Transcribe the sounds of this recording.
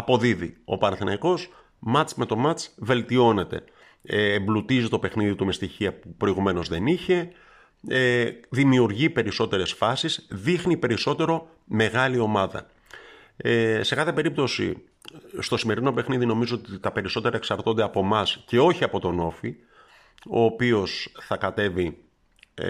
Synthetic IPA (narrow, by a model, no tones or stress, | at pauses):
ɐpo̞ðiðḭo̰pɐnɐθinɐiko̞s | mɐt͡sme̞t̪o̞mɐt͡sve̞lt̪io̞ne̞t̪e̞̰ː | mblut̪izit̪o̞pe̞xniðit̪ume̞st̪içiɐpupɾo̞iɣume̞no̞zðe̞niçe̞ | eðimiuɾʝipe̞ɾiso̞t̪e̞ɾe̞sfɐsizðixnipe̞ɾiso̞t̪e̞ɾo̞ | me̞ɣɐlio̞mɐðɐ̰ | se̞kɐθe̞pe̞ɾip̚t̪o̞sḭ | st̪o̞sime̞ɾino̞pe̞xniðino̞mizoot̪it̪ɐpe̞ɾiso̞t̪e̞ɾɐeksɐɾt̪o̞nd̪eɐpo̞mɐsce̞o̞çiɐpo̞t̪o̞no̞fi | o̞ːpio̞sθɐkɐt̪e̞vi